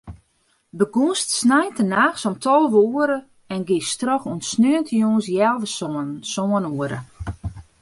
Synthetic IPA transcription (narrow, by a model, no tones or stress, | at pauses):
bəɡustsnajtənaːxsɔmtʰɔlˠəʋəuəɾə | ɛnɡɪstrɔxunsnøəntʰəjoːnsjɛlˠʋəssoənuəɾə̰